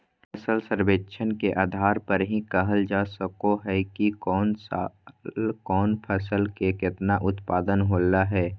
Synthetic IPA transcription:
pʰəsəlsəɾbeːtːʃʰənkeʔaːd̪ʱaːɾpəɾɦĩkəɦəld͡ʒaːsəkoɦɛkikɔːns | lkɔːnpʰəsəlkekɪt̪naʔʊt̪paːd̪ənɦoːlaɦɛː

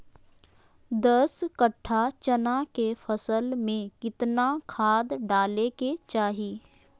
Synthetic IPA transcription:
d̪əskəʈʰːat͡ʃənakefʰəsəlmẽkɪt̪nakʰaːd̪ɖaːleket͡ʃaːɦiː

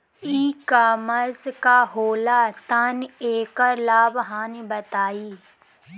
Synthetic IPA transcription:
iːkaːməɾzkaɦoːlaːt̪aneːkəɾlaːbɦaːnbɐt̪aːiː

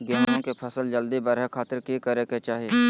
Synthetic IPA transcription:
ɡeːnõkepʰɐsəld͡ʒəld̪ibɐɾɦɛkʰaːt̪ɪɾkikəɾeket͡ʃaːɦieː

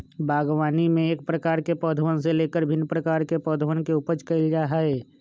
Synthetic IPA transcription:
bʱaːɡʋaːnimẽeːk̚pɾəkaːɾkepɔːd̪ʱʋənseleːkəɾbʱɪnːpɾəkaːɾkepɔːd̪ʱəʋənkeupət͡ʃkəɪld͡ʒaɦae

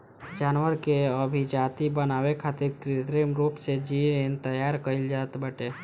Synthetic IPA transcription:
d͡ʒanʋəɾkeəbʱid͡ʒat̪ibənawekʰat̪iɾkɾit̪ɾemɾupsed͡ʒiɾent̪əjaɾkəild͡ʒat̪bəʈe

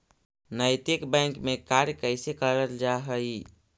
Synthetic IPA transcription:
nəjt̪ɪkbɛ̃ŋkmekaɾjkəɪsekəɾəld͡ʒaɦəi

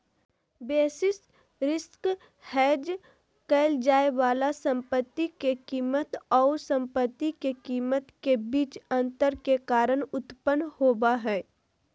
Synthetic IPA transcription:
beːsɪs | ɾɪsk | hɛːd͡ʒ | kɛːld͡ʒaːeʋaːlasə̃mpət̪ːikekiːmət̪ɔːɾsə̃mpət̪ːikekiːmət̪kebiːt͡ʃə̃nt̪əɾkekaːɾəɽʊt̪pənːhoːbaɦɛː

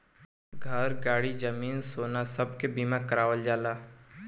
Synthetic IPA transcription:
ɡʱɐɾɡaːɽid͡ʒɐmiːnsoːnasɐbkebiːmãkɐɾaːʋəld͡ʒaːlaː

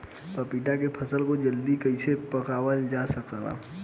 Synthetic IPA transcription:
pəpiːʈakepʰɐsəlkod͡ʒəld̪ikəɪsepəkaːwəld͡ʒaːsəkla̰

